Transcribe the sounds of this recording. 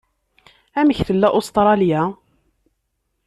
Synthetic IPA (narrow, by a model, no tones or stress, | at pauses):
æməçθəlːæʔost̪ɾˤɑlja